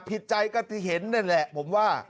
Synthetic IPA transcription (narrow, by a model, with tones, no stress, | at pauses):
pʰi˨˩t̪̚t͡ɕa˧jkɔː˥˩t̪ʰiː˧˥˩ɦe˩˦nːa˥˩nlɛ˨˩pʰo˩˦mwaː˥˩